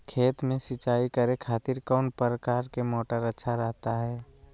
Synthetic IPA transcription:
kʰeːt̪mẽsɪt͡ʃaːikəɾekʰaːt̪ɪɾkɔʊnpɾəkaːɾkemɔːʈəɾətːʃʰaɾəɦt̪aɦɛː

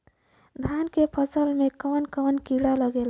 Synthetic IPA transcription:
d̪ʱankepʰəsəlmekənkənkiɽaləɡel

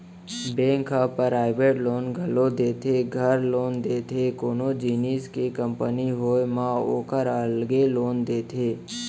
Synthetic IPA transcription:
bẽːŋkapɾaːɪʋeːʈloːnɡʱəlod̪eːt̪ʰeɡʱəɾloːnd̪eːt̪ʰekoːnod͡ʒiːniːskekəmpəniɦoːjmão̰ːkəɾəlɡeloːnd̪eːt̪ʰeː

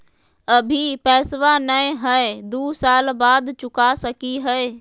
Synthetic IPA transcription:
əbʱipɛːsʋanəẽɦəed̪uːsaːlbaːd̪t͡ʃʊkasəkiɦɛe

